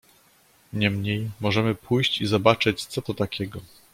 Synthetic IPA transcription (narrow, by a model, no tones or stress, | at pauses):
ɲɛmɲejmɔʐɛmɘpʰujɕt͡ɕizɔbat͡ʂɘt͡ɕt̪sɔt̪ɔt̪akʲʰɛɡɔ